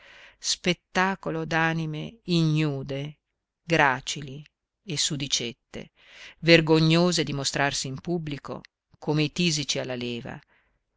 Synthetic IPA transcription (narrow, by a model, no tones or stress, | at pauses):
spet̪ːaːkolod̪aːnimeiɲuːd̪e | ɡɾaːt͡ʃili | esːud̪it͡ʃet̪ːḛ | verɡoɲːoːzed̪imost̪ɾarsiːmpubːliko̰ | kʰoːmeit̪iːzit͡ʃialːaleːva̰